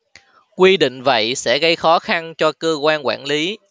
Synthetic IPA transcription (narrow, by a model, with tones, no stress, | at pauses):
kwi˧ɗḭ̈˧˨ŋ̟və̰˧˨jsɛ̰˧˥ɣə˧jxɔ˨˦xa˧nt͡ɕɔ˧kəː˧kwaː˧nkwa̰ː˧˩nli˨˦